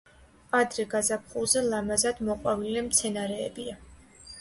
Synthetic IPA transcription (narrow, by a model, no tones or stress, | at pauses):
ad̪ɾɛɡazap̚ʰχulˠzɛlˠamazad̪̥mɔqʼwavilɛmt̪sʰɛnaɾɛːbia